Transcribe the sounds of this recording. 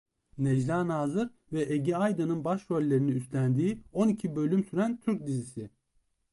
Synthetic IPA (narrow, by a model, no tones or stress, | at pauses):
nɛd͡ʒd̪aːnaːzɯɾ | vɛʔeɟiajd̪anɯnbaʃɾølʲːe̞ɾiniyst̪lʲænd̪iːo̞nicʰibø̞lʲymsyɾænt̪ʰyɾc̚d̪izisi